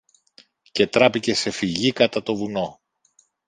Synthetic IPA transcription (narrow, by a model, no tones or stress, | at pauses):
ce̞t̪ɾɐpice̞se̞fiʝikɐt̪ɐt̪o̞vuno̞